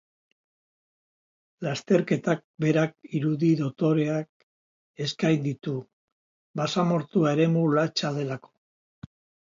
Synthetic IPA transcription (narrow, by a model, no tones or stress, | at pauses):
last̪e̞ɾke̞t̪ak̚be̞ɾakiɾuðiðo̞t̪o̞ɾe̞ak̚ | e̞skajnd̪it̪u | basamo̞ɾt̪uaeɾe̞mulat͡ʃaðe̞lako̥